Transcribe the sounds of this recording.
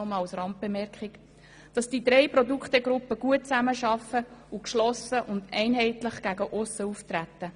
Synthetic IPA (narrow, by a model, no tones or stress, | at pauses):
ɔmɑlsrɾɑmt̚b̥emɛɾkχɪk | d̥ɑsd̥id̪ɾɛɪpɾɔdukχteɡɾʊpːəɡ̥uət̚t͡sæməʃɑfəukʃlɔsəʔʊndɛɪnɦɛɪtləχɡ̥æɡəʔʊsəuft̪ɾæt̪ːə